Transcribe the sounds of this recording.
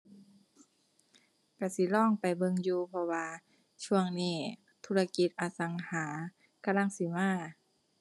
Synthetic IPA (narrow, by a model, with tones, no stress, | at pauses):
ka˧˩si˧˦lɔː˥˩˨ŋpa˨jbɤ˧ŋjuː˧pʰɔ˧waː˧ | t͡ɕʰu˧əŋniː˧˩ | t̪ʰuː˧la˧ki˧˦t̪̚ʔaː˧˦sa˨˦ŋhaː˨˩˦ | ka˧la˧˥˨ŋsi˧˦maː˧˥˩